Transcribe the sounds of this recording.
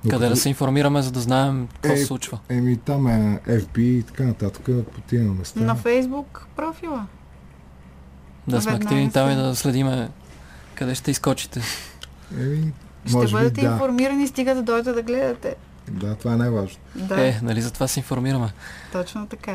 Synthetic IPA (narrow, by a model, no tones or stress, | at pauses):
kɐdɛd̪ɐsɛinfoɾmiɾəmɛzɐd̪ɐznaɛmkɔsslˠut͡ʃvəɛmit̪amɛɛvbiːt̪ɐ̥kanɐt̪at̪ə̥kəpot̪inmɛst̪anɐfɛjzbukpɾɔfilˠə | d̪asmɛɐkt̪ivnit̪amid̪ɐslɛd̪imɛ | kɐd̪ɛʃt̪ɛiskɔt͡ʃi̥t̪ɛ | ɛmi | ʃmɔɛʒbəd̪ɐt̪ɛiafoɾmiɾɐnist̪iɡət̪əd̪ɔjt̪ɛd̪ɐɡlɛd̪ɐt̪ɛ | d̪at̪ovaɛnɛvaʒnod̪aɛnɐlizɐt̪ovasɛinfoɾmiɾəmɛt̪ɔt͡ʃnot̪ɐka